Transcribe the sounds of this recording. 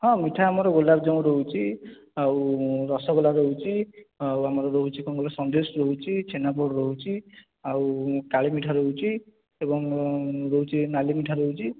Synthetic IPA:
ɦʌ̃miʈʰaamɔɾɔɡolab̚d͡ʒaw̃ɾoɦut͡ʃʰi | awɾɔsɔɡolaɾoɦut͡ʃʰiawamɔɾɔɾoɦut͡ʃʰikɔŋɡolasʌnd̪esɾoɦut͡ʃʰit͡ʃʰenap̬ɔɽɾoɦut͡ʃʰi | awkaɭemiʈʰaɾoɦut͡ʃʰi | ebɔŋɾoɦut͡ʃʰinalimiʈʰaɾoɦut͡ʃʰi

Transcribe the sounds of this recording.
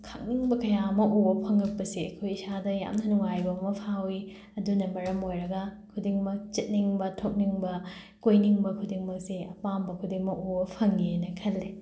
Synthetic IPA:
kʰak̚niŋbɐkɐjaɐmɐʔuwɐpʰɐŋɐk̚pɐsiɐkʰojisadɐja̰mnɐnuŋajbɐmɐpʰawi | ɐdunɐmɐɾɐmojɾɐɡɐkʰudiŋmɐk̚t͡ʃɐt̚niŋbɐtʰok̚niŋbɐ | kojniŋbɐkʰudiŋmɐk̚siɐpambɐkʰudiŋmɐʔubɐpʰɐŋɡinɐkʰɐlːe

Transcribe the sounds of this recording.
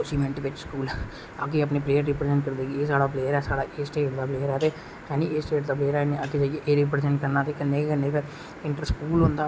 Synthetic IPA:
ʊsiːmẽɳʈʋɪt͡ʃskuːl | aːkeəpneːpɾeːəɾːɪpɾezɛ̃ɳʈ̚kəɾd̪eːɡieːsaːɽaːpleːəɾɛːsaːɽaːʔeːsʈeːɖd̪aːpleːəɾɛːt̪eː | hɛːniːeːsʈeːɖd̪aːpleːɾɛːnĩːaːked͡ʒəːeʔeːɾɪp̬ɾezɛ̃ɳʈkəɾnaːt̪ekɪnːeːekənːeːkə | ɪɳʈəɾskuːlɦʊ̃nd̪aː

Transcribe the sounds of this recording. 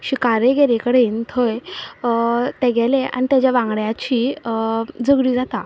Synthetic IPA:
ɕikaɾeɡɛɾekəɽent̪ʰoj | t̪ɛɡʱɛlea̰ñit̪jat͡ɕjaʋãŋɡɽjat͡ɕiː | d͡zəɡɽiːd͡zat̪a

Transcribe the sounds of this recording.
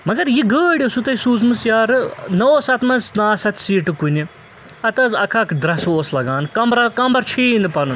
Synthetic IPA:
mɐɡɐɾjiɡəːɽʲisut̪ɐjisuːzmɨsjaːɾɨnɐoːsɐt̪mɐnznaːsɐt̪ʰsiːʈɨkuni | ɐt̪ɐzɐkʰɐkd̪ɾɐsoːslɐɡaːnkɐmbɾɐkɐmbɐɾt͡ʃʰiːnɨpɐnɨn

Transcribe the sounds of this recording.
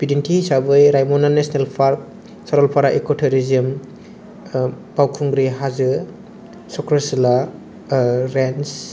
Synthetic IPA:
b̥idintʰihisabɯjɾajmɔnanesnelpʰaɾp̚ | saɾɔlpʰaɾaʔekɔtʰeɾiziɯm | b̥awkʰuŋɡɾiɦazɯ | sɔkɾasila | ɾens

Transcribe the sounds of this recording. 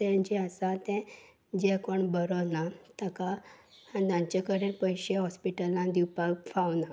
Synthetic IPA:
ed͡ʑeasat̪ɛ̃ | d͡ʑekoɳbəɾonat̪əkaad̪ãɲt͡ɕekəɾenpəjɕeɦɔspiʈəlːãd̪iwpafawna

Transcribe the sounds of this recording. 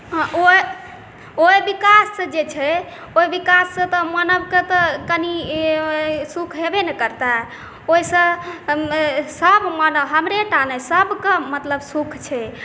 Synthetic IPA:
ʔoj | ojbikasːə̃d͡ʒet͡ʃʰɛ | ojbikasːə̃t̪ɔmənəbket̪ɔkəni | sukʰɦebenɛkəɾt̪a | oisə̃ | səbmənəɦəmɾeʈanəsəbkəmət̪ləbsukʰt͡ʃʰɛ

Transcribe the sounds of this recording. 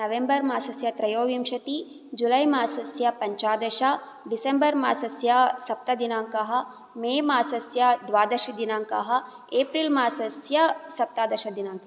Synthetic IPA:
nɐʋembɐɾmaːsɐsjɐt̪ɾɐjoːʋimʃɐt̪i | d͡ʒulɐjmaːsɐsjɐpɐɲt͡ʃaːd̪ɐʃɐ | ɖisembɐɾmaːsɐsjɐsɐp̚t̪ɐd̪inaːŋkɐɦɐ̆ | meːmaːsɐsjɐd̪ʋaːd̪ɐʃid̪inaːŋkɐɦɐ̆ | eːpɾilmaːsɐsjɐsɐp̚t̪aːd̪ɐʃɐd̪inaːŋkɐ

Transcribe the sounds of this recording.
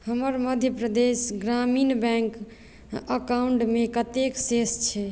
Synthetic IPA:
həməɾməd̪ʱjəpɾəd̪esɡɾaminbɛ̃ŋk | əkauɳʈmekət̪eksest͡ʃʰɛ

